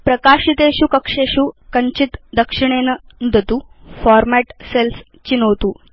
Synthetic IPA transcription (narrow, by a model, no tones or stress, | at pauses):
pɾəkaːʂit̪eɕukəkʂeɕukəɲt͡ɕit̪d̪əkʂiɳ̃enə | nud̪ʱət̪uːfɔɾmæʈsels | t͡ɕinowt̪uː